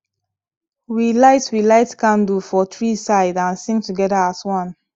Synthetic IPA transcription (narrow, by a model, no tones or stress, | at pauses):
wilaɪtwilaɪtkãndufɔtɹisaɪdãnsɪ̃ŋtuɡɛdəaswʌ̃n